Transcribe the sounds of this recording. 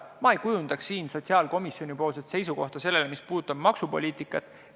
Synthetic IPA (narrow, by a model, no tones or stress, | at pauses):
mɑejkujund̪̥ɑksiːnso̞t̪siɑːlko̞misio̞nʲipo̞ːlset̪se̞jsuko̞ht̪ɑse̞lːe̞lemispuːd̪t̪ːˑɑb̥mɑksupo̞̰lʲiːt̪ˑikːˑɑt̪ːˑ